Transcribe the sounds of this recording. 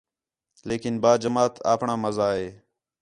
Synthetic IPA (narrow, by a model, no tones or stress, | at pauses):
leːkɪnbaːd͡ʒəmaːt̪ʰa̰ːpɳãːməzaːɦeː